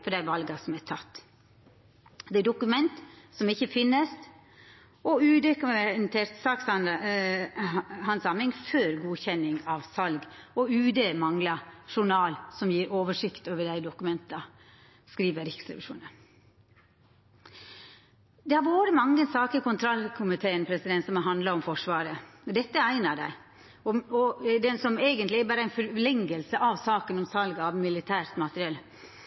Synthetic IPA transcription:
fɔɖæɪʋɑlɡɑsɔmæʈʰɑt̪ː | d̪ɛæd̪ʊkʉmɛnt̪sɔmɪçəfɪnːəst̪ | ɔʉːd̪ɛkʉnt̪ʰeːɾt̪sɑːksɑn | hɑnsɑmɪŋføːɾɡuːçɛnɪŋɑʋsɑlɡɔʉːd̪eːmɑŋlɑʂʊɳɑːlsɔmjiːɾʔoːʋəʂɪkt̪oːʋəɖæɪd̪ʊkʉmɛnt̪ɑ | skɾiːʋəɾɪksɾɛ̰ʋɪʂṵːnən | d̪ɛhɑɾʋoːɾəmɑŋːənsɑːkəkʊnt̪ʰɾɑlkʰʊmɪt̪ʰeːənpʰɾɛsɪd̪ɛnsɔmɑɦɑnd̪lɑɔmfɔʂʋɑːɾəɔd̪ɛt̪ːəæɪnɑɖæ̰ɪ | ɔɔd̪ɛnsɔmeːɡənt̪lɪæbɑːɾəæɪnfœlɛŋɡəlsəʔɑʋsɑːkənɔmsɑlɡɑʋmɪlɪt̪ʰæːɾt̪mɑt̪əɾɪɛlː

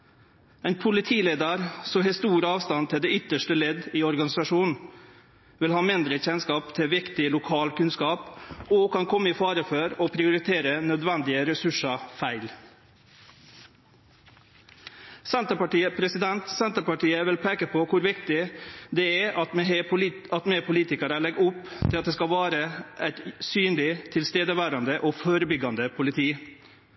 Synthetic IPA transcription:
ɛɪnpʰʊlɪt̪ʰiːleːd̪əɾsɔɦɛːst̪uːɾɑːʋst̪ɑnt̪ʰɪld̪ɛːʏt̪ːəʂʈəlɛd̪iːɔɾɡɑnɪsɑʂuːnn̩ | ʋɪlhɑːmɪnd̪ɾəçɛnskɑːpt̪ʰɪʋɪkt̪ɪlʊkʰɑːlkʉnskɑːpoːkʰɑnkʰɔmːəiːfɑːɾəfœɾoːpʰɾɪʊɾɪt̪ʰeːɾənœd̪ʋɛnd̪ɪəɾɛsʉʂɑfæɪl | sɛnt̪əpɑʈiːəpʰɾɛsɪd̪ɛnt̪sɛnt̪əpɑʈiːəʋɪlpʰeːkəpʰɔːkʊɾʋɪkt̪ɪd̪ɛɛʔɑt̪m | ɑt̪mepʰʊliːt̪ɪkɑɾəɭɛɡʊpːt̪ʰɪlɑt̪̚d̪eːskɑʋæːɾəʔæɪt̪syːnlɪt̪ʰɪlst̪eːd̪əʋæːɾɑnd̪əʔoːfoːɾəbʏɡɑnd̪əpʰʊlɪt̪ʰiː

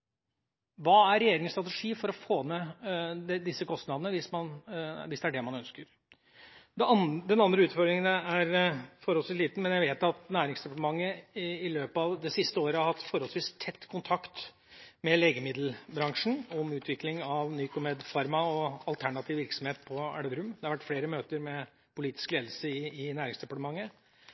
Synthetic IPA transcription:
ʋɑːæɾɛjeːɾɪŋəst̪ɾɑt̪əʂiːfɔɾɔfoːnɛd̪ɛd̪ɪsːəkʰɔst̪nɑd̪ənəʋɪsmɑnʋɪsd̪ɛæɖɛmɑnœnskəɾ | d̪d̪ɛnɑnd̪ɾəʉːt̪fɔɾd̪ɾɪŋənæɾfɔɾhɔlsʋiːsliːt̪n̩mɛnjæɪʋeːt̪ɑt̪næːɾɪŋsd̪ɛpɑʈ̪əmɑŋːəɪløːpɑʋd̪ɛsɪst̪əoːɾəhɑɾhɑt̪ːfɔɾhɔlsʋiːst̪ʰɛt̪ːkʰʊnt̪ʰɑkt̪ | mɛleːɡəmɪd̪l̩bɾɑŋʂɳn̩ɔmʉːt̪ʋɪklɪŋɑʋnyːkʊmɛd̪fɑɾmɑɔɑlt̪ʰæɳɑt̪ʰiːʋɪɾksɔmheːt̪pʰɔæ̰ɽəd̪ɾʉmd̪ɛhɑɾʋæʈːfleːɾəmøːt̪əɾmɛ | pʰʊliːt̪ɪ̥skleːd̪l̩səɪɪnæːɾɪŋsd̪ɛpɑʈəmɑŋːə

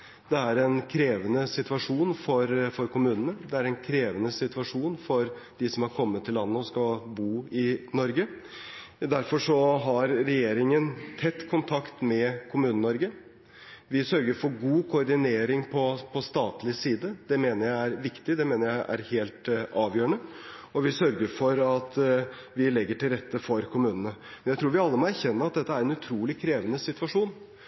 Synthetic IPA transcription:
d̪ɛæɾɛnkʰɾeːʋənəsɪt̪ʋɑʂuːnfɔɾfɔɾkʰʊmʉːnənəd̪ɛæɾɛnkʰɾeːʋənəsɪt̪ʋɑʂuːnfɔɾ | d̪̥ɪsɔmhɑɾkʰɔmːət̪ʰːɪlːɑnːəɔskɑbuːɪnɔɾɡə | d̪æɾfɔʂɔɦɑɾɾɛjeːɾɪŋənt̪ʰɛt̪ːkʰʊnt̪ʰɑkt̪mɛkʰʊmʉːnənɔɾɡə | ʋɪsœɾɡəɾfɔɾɡuːkʰʊɔɾɖɪneːɾɪŋpʰɔpʰɔst̪ɑːt̪lɪsiːd̪əd̪̥ɛmeːnəɾjæɪæɾʋɪkt̪ɪd̪ɛmeːnəɾjæɪʔæ̰ɾheːlt̪ɑːʋjøːɾəɳəɔʋɪsœɾɡəɾfɔɾɑt̪ | ʋɪlɛɡːəʈɪlɾɛt̪ːəfɔɾkʰʊmʉːnənəmɛnjæt̪ʰɾuːɾʋɪɑlːəmɔæɾçɛnːəɑt̪̚d̪ɛt̪ːəæɾɛnʉt̪ʰɾuːlɪkʰɾeːʋənəsɪt̪ʉʋɑʂuːn

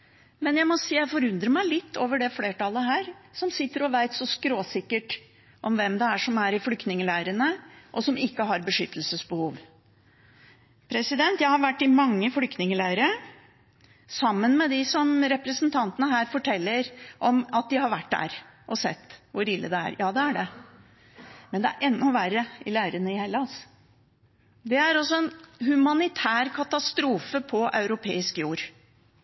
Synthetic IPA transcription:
mɛnjæɪmɔsiːjæɪfɔɾʉnd̪ɾəmæɪlɪt̪ːoːʋəɖɛfleːʈɑləɦæːɾsɔmsɪt̪ːəɾɔʋæɪt̪sɔskɾoːsɪkːəʈ | ʔɔmʋɛmd̪ɛæʂɔmæɾɪflʏkt̪nɪŋəlæɪɾənəʔɔsɔmɪkːəɦɑɾbəʂʏt̪ːəlsəsbəhuːʋ | pʰɾɛsɪd̪ɛnt̪jæɪhɑɾʋæʈːɪmɑŋːəflʏkt̪nɪŋəlæɪɾə | sɑmːənmɛd̪ɪsɔmɾɛpɾəsənt̪ʰɑnt̪ənəɦæːɾfɔʈʰɛlːəɾʔɔmɑt̪̚d̪ɪhɑɾʋæʈːd̪æ̰ɾʔɔsɛ̰t̪ːʋʊɾɪlːə̰d̪ɛæ̰ɾjɑːd̪ɛæɖɛ | mɛnd̪ɛæ̰ɾʔɛnːɔʋæɾəɪlæːɾənəɪhɛlːɑs | d̪ɛæɾɔsːɔɛnhʉmɑnɪt̪ʰæːɾkʰɑt̪ɑst̪ɾuːfəpʰɔʔɑ̰ʉɾʊpʰḛːɪskjuːɾ

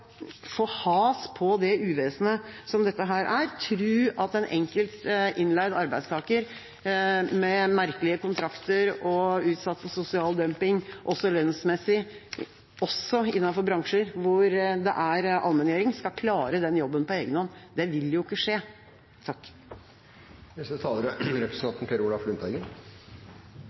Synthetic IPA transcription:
foːhɑːspʰɔd̪ɛʉːʋeːsnəsɔmd̪ɛt̪ːəɦæːɾʔæɾt̪ʰɾʉːɑt̪ɛnʔɛŋkəlt̪ʔɪnlæɪd̪ɑɾbæɪst̪ʰɑːkəɾ | mɛmæɾkəlɪəkʊnt̪ʰɾɑkt̪əɾɔʉːt̪sɑt̪ːfɔsʊsɪɑːld̪œmpɪŋʔɔsːɔlœnsmɛsːɪ | ɔsːɔɪnːɑnfɔɾbɾɑŋʂəɾʋʊɾd̪ɛ̰ʔæɾʔɑ̰lmɛnjeːɾɪŋskɑkʰlɑːɾəd̪ɛnjɔbːənpɔeːɡənhɔnːd̪ɛʋɪljʊɪkːəʂeː | t̪ʰɑkː | nɛst̪ət̪ʰɑːləɾəɾɛpɾəsn̩ɑnt̪n̩pʰeɾulɑflʉnt̪ʰɑɪɡən

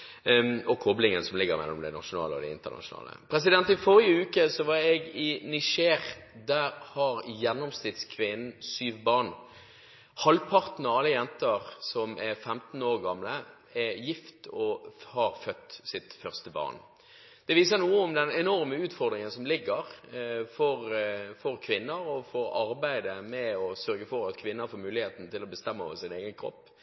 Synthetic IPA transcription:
ɔkʰɔblɪŋənsɔmlɪɡːəɾmɛ̰lːɔmd̪ɛnɑ̰ʃʊnɑ̰ːləɔ̰d̪ɛ̰ɪ̰nt̪əʁnɑ̰ʂʊnɑ̰ːlə̰pʰɾɛs̬ɪd̪ɛnt̪ɪfɔɾɪəʉːkəsɔʋɑɾɛɡɪnɪʂeːʁd̪æɾhɑɾjɛnːɔmst̪ɪd̪skʰʋɪnn̩syːʋbɑʁn | hɑlpʰɑɾt̪n̩ɑɑlːəjɛnt̪əɾsɔmʔɛɾfɛmt̪n̩oːɾɡɑmlə | ɛjɪft̪ɔhɑɾfœt̪ːsɪt̪fœʁst̪əbɑ̰ːn | d̪̥ɛʋiːs̬ənuːəʊmd̪ɛnɛnɔɾməʉːt̪fɔɾd̪ɾɪŋənsɔmlɪɡːəɾfɔɾfɔɾkʰʋɪnːəɾɔfɔɾɑɾbæɪd̪əmɛɔsœɾɡəfɔɾɑt̪kʰʋɪnːəɾfoːɾmʉːlɪheːt̪n̩t̪ɪlɔbəst̪ɛmːəɔ̰ʋəɾsɪneːɡənkʰɾɔ̰pː

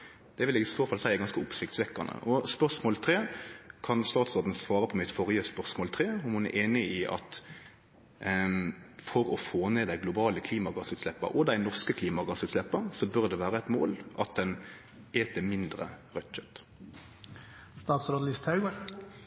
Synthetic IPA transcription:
d̪̥ɛʋɪlɛɡɪsoːfɑlsæɪɛɡɑnskəʊpsɪkt̪sʋɛkːɑnə̰ʔɔspœʁʂmoːlt̪ʰɾeːkʰɑnst̪ɑːt̪soːʁd̪n̩sʋɑːɾəpʰɔmɪt̪fɔʁjəspœʁʂmoːlt̪ʰɾeːɔmhʊnæ̰ɾʔeːnɪɪʔɑ̰t̪ | fɔɾɔfoːneːd̪æɪɡlʊbɑːləkʰliːmɑɡɑsʉːt̪slɛpːə̰ʔɔd̪æɪnɔʁskəkʰliːmɑɡɑsʉːt̪slɛpːəsɔbœʁd̪ɛʋæːɾəɛt̪mo̰ːlʔɑt̪̚d̪ɛn | eːt̪əmɪnd̪ɾə̰ʁœt̪c͡çœt̪ | st̪ɑːt̪sɾolɪst̪ʰhɑʉɡəɾ

